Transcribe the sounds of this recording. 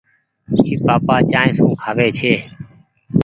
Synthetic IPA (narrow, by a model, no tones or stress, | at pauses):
iːpaːpaːt͡ʃaːẽːsũːkʰaːʋeːt͡ʃʰeː